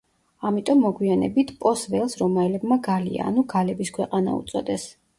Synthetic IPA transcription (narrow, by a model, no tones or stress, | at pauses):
amit̪ʼɔmːɔɡwianɛ̰bit̪ʰpʼɔsvɛlˠsɾɔmaɛlɛbmaɡalḭa̰ːnuɡalɛbiskʰwɛqʼana̰ṵt̪sʼɔd̪ɛs